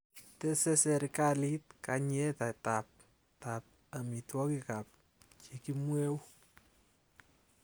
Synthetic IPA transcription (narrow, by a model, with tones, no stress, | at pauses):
tɛ˦sɛ˦sɛ˨ɾikali˦t̚ka˧ɲɛ˦ta˨tap̚ | tap̚ | a˨mi˨twɔ˦kikap̚ | t͡ʃe˨ki˦mwe˦w